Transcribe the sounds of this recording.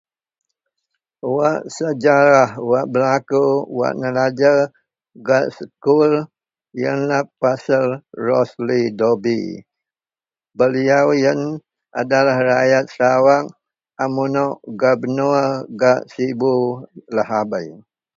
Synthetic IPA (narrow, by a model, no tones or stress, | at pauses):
waʔsəd͡ʒaɾahwaʔbəlakuwa̰ʔnəlad͡ʒə | ɡaʔsəkul | jənlapasəlrɔslidobi | bəliawjən | ʔadalahrajat̪̚sawak̚ | amunɔʔɡabənuɡaʔsibulahabaj